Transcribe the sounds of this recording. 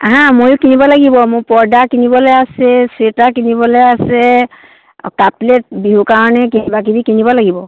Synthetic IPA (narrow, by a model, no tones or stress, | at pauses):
ɦãmojʊkinibɔlaɡibɔmʊpɔɹdakinibɔlɔjasɛsetakinibɔleasɛ | kaplet̚biɦukaɹɔnɛkinibak̬ibikinibɔlaɡibɔ